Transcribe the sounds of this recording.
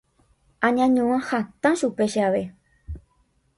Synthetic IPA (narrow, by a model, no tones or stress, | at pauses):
ãɲãɲõãhat̪ãʃupeʃeaʋe